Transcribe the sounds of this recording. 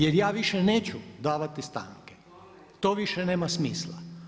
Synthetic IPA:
jeɾjaːʋiʃeneːt͡ɕud̪aːʋat̪ist̪a̰ːŋke | t̪oːʋiʃeneːmasmiːsla̰

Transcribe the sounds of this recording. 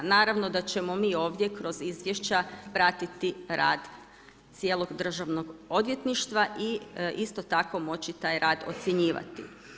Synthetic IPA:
naːɾaʋno̞d̪at͡ɕe̞mo̞miːo̞ːʋd̪je̞kɾo̞zizʋjeʃt͡ɕapɾat̪it̪iɾa̰ːd̪ | t̪sjelˠo̞ɡd̪r̩ʒaʋno̞ɡo̞d̪ʋjet̪niʃt̪ʋaʔiist̪o̞t̪ako̞mo̞t͡ɕit̪aːjɾaːd̪o̰t̪sʲjeɲiːʋa̰t̪ḭ

